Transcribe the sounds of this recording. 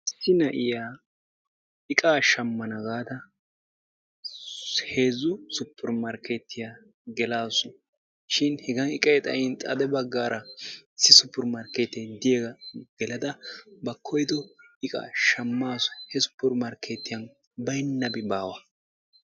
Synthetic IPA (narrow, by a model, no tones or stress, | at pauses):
ɪsːɪnɐʔɪjaː | ɪkʼaːʃɐmːɐnɐɡaːd̪ɐ | heːzʊsʊpːɪɾmɐɾkɛt̪ːɪja | ɡɛlaːsʊ | ʃɪnhɛɡɐnɪkʼɛjt̪ʼɐ̰jɪnt̪ʼɐd̪ɛbɐɡːaːɾʔɐɪsːɪsʊpːɪɾmɐɾkeːt̪ːɛd̪ɪjeɡɐɡ̥ɛlɐd̪ɐbɐkʰːɔjd̪ɔɪkʼa̰ːʃɐmːaːsʊ̥hɛsʊ̥pːɪɾmɐɾkeːt̪ːɪjɐn | bɐjnːɐbɪbaːwɐ